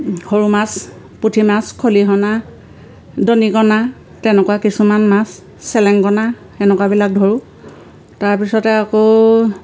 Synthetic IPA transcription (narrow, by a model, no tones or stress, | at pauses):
hoɹumas | putʰimaskʰoliɦɔna | donikɔna | tɛnɛkuakisumanmasː | ɛlɛŋkɔna | ɛnɛkwabilak̚dʱoɹu | taɹpisɔtɛako